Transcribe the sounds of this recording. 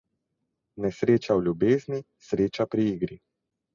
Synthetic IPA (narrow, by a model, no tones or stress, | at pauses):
nɛsɾeːt͡ʃawlʲjubeːzni | sɾeːt͡ʃapɾiiːɡɾi